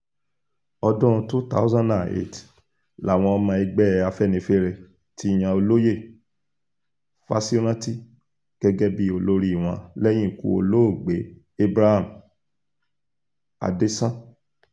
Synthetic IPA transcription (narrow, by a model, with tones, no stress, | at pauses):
ɔ˧dɔ̃˦ũ˧tu˦ta̰˦zã˦nda˨ḛ˦˨t | la˨w̃ɔ̃˧ɔ˧mã˧i˧ɡ͡bɛ˦˨a˧fɛ˦˨nĩ˧fe˦ɾɛ˧ | ti˦j̃ã˧o˧lo˦je˦˨ | fa̰˦si˦ɾ̃ã˦ti˦ | ɡ̥ɛ˦ɡɛ˦bi˦o˧lo˧ɾi˦i˨w̃ɔ̃˧˦lɛ˦j̃ĩ˦˨kṵ˧˨o̰˧lo˦o˦˨ɡ͡be˨˦ | e˦bɾa˦ha˦˨m˨ | a̰˨de˦sã˦